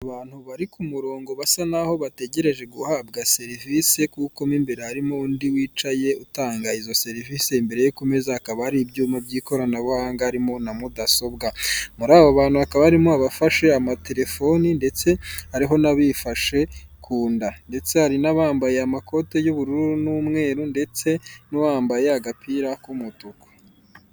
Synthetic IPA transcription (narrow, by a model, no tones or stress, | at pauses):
aβaːn̥huβaɾikumuɾo̞ːŋɡo̞βasanaho̞βate̞ɟe̞ɾe̞ʒe̞ɡuhab̚ɡase̞ɾivise̞kuko̞miːmbeɾehaɾimoundiwiːt͡ʃaje̞utaːŋɡaizo̞se̞ɾiviːse̞imbe̞ɾe̞jokume̞zahakaβaaɾibɟuːmabɟiːko̞ɾanaβuhaːŋɡaɾimo̞namudaso̞b̚ɡamuɾaːβoaβaːnhuhakaβahaɾimoaβafaʃe̞amate̞ɾe̞fo̞ninde̞t͡se̞haɾiɦo̞naβifaʃe̞kʰuːndande̞t͡se̞haɾinaβaːmbaje̞amako̞te̞juβuɾuɾunuːmŋe̞ːɾunde̞t͡se̞nuwaːmbaje̞aɡapʰiɾakumutuko̥